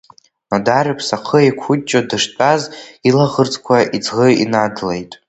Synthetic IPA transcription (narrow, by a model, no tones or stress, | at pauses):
nadaɾɨpʰsaqʰəekʷʰʊt͡ʃʼːodɨʂt͡pʼazilaʁərt͡sʼkʷʰaʔid͡zʁəḭnadlejtʼ